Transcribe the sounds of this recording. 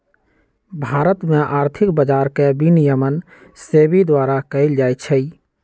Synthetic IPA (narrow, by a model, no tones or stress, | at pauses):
bʱaːɾət̪mẽʔaːɾt̪ʰɪkbəd͡ʒaːɾkebinijəmən | seːbid̪waːɾakəɪld͡ʒaːjt͡ʃʰəi